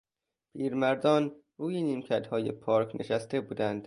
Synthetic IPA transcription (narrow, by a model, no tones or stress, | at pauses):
pʰiːɾmæɾd̪ɒːn | ɾuːjeniːmcʰæɾd̪hɒːjepʰɒːɾknʔeʃæst̪ʰe̞buːd̪ænd̪̥